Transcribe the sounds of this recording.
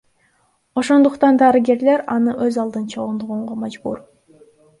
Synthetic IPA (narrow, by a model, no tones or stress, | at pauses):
o̞ʃo̞nd̪uqt̪ɑnd̪ɑɾɨɡʲe̞ɾle̞ɾɑnɯʔøzɑlˠd̪ɯnt͡ʃʰo̞ʁund̪oʁuɴʁomɑd͡ʒbṵɾ